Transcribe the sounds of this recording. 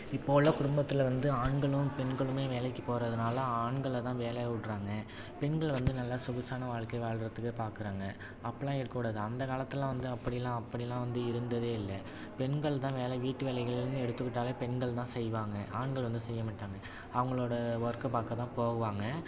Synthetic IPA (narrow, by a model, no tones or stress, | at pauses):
ɪpːoːɭːɐkʊɽʊmbɐt̪ːɪlʋɐnd̪ɯaːɳɡɐɭɯmpɛɳɡɐɭɯmeːʋeːlɐɪkːɯpoːɾɐðɯnaːlɐaːɳɡɐɭt̪ãːʋeːlɐʋʊɽɾaːŋɡɐ | pɛɳɡɐɭʋɐnd̪ɯnɐlːasʊɣɐsaːnɐʋaːɻkːɐɪʋaːɭɾɐt̪ːɯkːɯpaːɾkɯɾaːŋɡɐ | ɐpːɐlãːɛɽɯkːɐkːuɽaːðɯɐnd̪ɐkaːlɐt̪ːɪlãːʋɐnd̪ɯɐpːɐɽɪjlːãːɐpːɐɽɪjlːãːʋɐnd̪ɯɪɾɯnd̪ɐðeːɪlːɐ | pɛɳɡɐɭt̪ãːʋeːlɐʋiːʈːɯʋeːlɐɪɣɐɭɪɾɯnd̪ɯɛɽɯt̪ːɯkːɪʈːaːleːpɛɳɡɐɭt̪ãːsɛjʋaːŋɡɐʔaːɳɡɐɭʋɐnd̪ɯsɛjːɐmaːʈːaːŋɡɐ | ɐʋɐŋɡɐɭoːɽɐʋɐɾkɐpaːɾkːɐt̪ãːpoːɣɐʋaːŋɡɐ